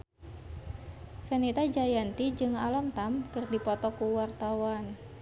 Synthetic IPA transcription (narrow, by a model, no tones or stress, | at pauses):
fɛnit̪ad͡ʒajant̪id͡ʒɨŋalɔmt̪amkɨrdipɔt̪ɔkuwart̪awan